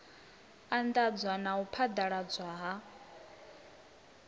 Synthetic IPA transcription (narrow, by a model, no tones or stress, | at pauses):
and̪ad͡zwanaupʰad̪aɺad͡zʷwaɦa